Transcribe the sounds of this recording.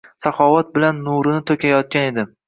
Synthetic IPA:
safɒvat̪̚bɪlanːuɾɪnɪt̪ʰokʲajɒt̪̚kʲane̞d̪ɪ

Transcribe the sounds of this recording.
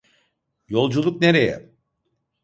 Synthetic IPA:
jo̞lˠd͡ʒulˠukneɾejɛ̰

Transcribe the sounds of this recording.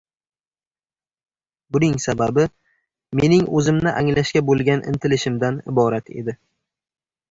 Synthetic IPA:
bʊnɪŋsababɪ | me̞nɪŋɵzɪmnɪʔaŋlaʃkʲabolˠɡʲanʔɪ̰nt̪ʰɪlɪʃɪmd̪anɪ̰bɒɾat̪ʰe̞̰d̪ɪ

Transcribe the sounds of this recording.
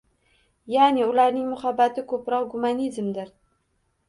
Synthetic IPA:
janɪʊlaɾnɪŋmʊχabːat̪ɪkʰɵpɾɒqɡʊmanizmd̪ɪɾ

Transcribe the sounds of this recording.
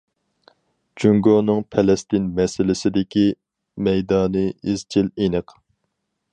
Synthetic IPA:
d͡ʒyŋɡonɨŋpʰɛlɛst̪ɪnmɛsɪlɪsɪd̪ɪkʲi | mɛjd̪ɑːnɨiz̥t͡ʃʰilenɨq

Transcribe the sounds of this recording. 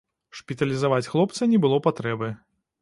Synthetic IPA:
ʂpʲit̪ɐlʲizavat͡sʲxlˠɔpt̪sɐnʲɛbɨlˠɔpat̪ɾɛbɨ

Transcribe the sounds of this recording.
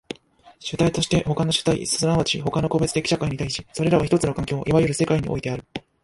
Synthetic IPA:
ɕɨt̪ait̪o̞ɕi̥t̪e̞ho̞kano̞ɕɨ̥t̪aḭsɨɨnaβat͡ɕḭɦo̞kano̞ko̞be̞t͡sɨ̥t̪e̞kʲi̥ɕakaiɲ̟it̪aiɕi̥so̞ɾe̞ɾaβaçi̥t̪o̞t͡sɨno̞kãŋkʲo̞ːʔiβajɯɾɯse̞kaiɲ̟iʔo̰it̪e̞aɾɯ̟

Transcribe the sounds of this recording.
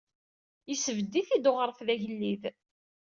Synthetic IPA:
isəvəd̪ːiθid̪oʁəɾˤfðæʝəlːið

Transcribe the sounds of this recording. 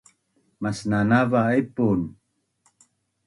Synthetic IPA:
masnanavaepun

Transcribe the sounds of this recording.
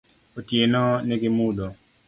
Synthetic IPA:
otjenɔnɪɡɪmud̪ɔ

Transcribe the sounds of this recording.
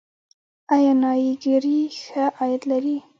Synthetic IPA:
ajɑnɑjiɡəɾixəʔɑjat̪laɾi

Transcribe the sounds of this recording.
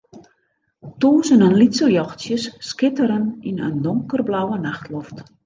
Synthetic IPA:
toːzənənlitsəljɔxtsjəsːkɪtəɾəninə̰ndoŋkərblawənaxtʰlɔft

